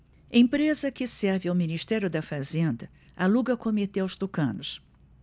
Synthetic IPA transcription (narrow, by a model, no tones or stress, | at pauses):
ẽpɾezɐkɪsɛɾvɪawminiʃt̪ɛɾjʊd̪ɐfazẽnd̪ɐ | aluɡɐkomet̪eawst̪okɐ̰̃nʊs